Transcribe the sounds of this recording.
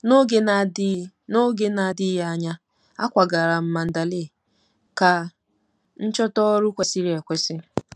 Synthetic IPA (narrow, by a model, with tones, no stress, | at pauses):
no˦ɡe˦na˨dɪ˦ | no˦ɡe˦na˨dɪ˦ja˦ɲa˦ | a̰˦kʷa˨ɡa˨ɾa˨m̩˨ma˨n̩˨da˨li˦˨ | ka˨ | n̩˦t͡ʃɔ˦tɔ˦ɾu˦kʷe˨si˦ɾe˨kʷe˦sɪ˦